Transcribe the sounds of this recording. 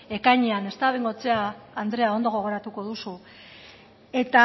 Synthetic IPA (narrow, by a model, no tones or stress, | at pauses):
e̞kajɲeane̞st̪aβejŋɡo̞t͡seaːnd̪ɾe̞aond̪o̞ɣ̞o̞ɣ̞o̞ɾat̪uko̞ðusu | e̞t̪a